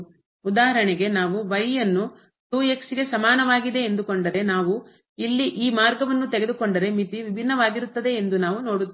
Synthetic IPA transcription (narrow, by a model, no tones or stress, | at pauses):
ud̪aːɦɐɾɐɳɛɡe̞naːʋuʋɐjːɐnːu | t̪uːjeksiɡe̞sɐmaːnɐʋaːɡid̪e̞ːnd̪ukoɳɖɐɾe̞naːʋu | ilːiʔiːmaːɾɡɐʋɐnːut̪ɛɡe̞d̪uko̞ɳɖɐɾe̞mit̪iʋibʱinːɐʋaːɡiɾut̪ːɐd̪e̞ːnd̪unaːʋuno̞ːɽut̪ː